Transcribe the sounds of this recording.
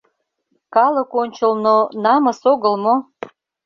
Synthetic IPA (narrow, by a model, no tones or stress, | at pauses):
kɑlə̆konʲt͡ɕəlnonɑməsoɣə̆lmo